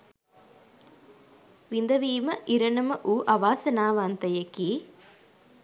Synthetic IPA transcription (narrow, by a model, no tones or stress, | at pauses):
ʋind̪ɐʋiːmɐʔiɾɐnɐmɐʔuːʔɐʋaːsɐnaːʋaːnt̪ɐjɐki